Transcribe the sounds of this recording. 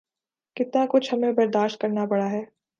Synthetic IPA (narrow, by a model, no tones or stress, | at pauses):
kɪt̪nakʊt͡ʃʰhɐmẽbɐɾd̪aːʃt̪̚kɐɾnapɐɽaɦɛː